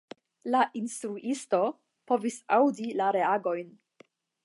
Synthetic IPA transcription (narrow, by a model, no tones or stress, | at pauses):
laʔinstɾuʔisto̞ | po̞visawdilaɾe̞aɡo̞jn